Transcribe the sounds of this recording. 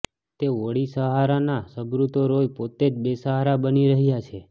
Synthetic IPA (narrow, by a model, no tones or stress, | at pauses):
t̪eʋoɽisəɦaɾanasəbɾut̪oɾojpot̪ed͡ʒbesəɦaɾabəniɾəɦjat͡ʃʰe